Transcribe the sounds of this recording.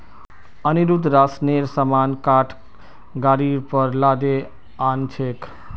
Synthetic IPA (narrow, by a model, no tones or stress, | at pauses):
əniɾud̪ɾasneɾsəmankaʈʰ | ɡaɾiɾpəɾlad̪e | ant͡ʃʰek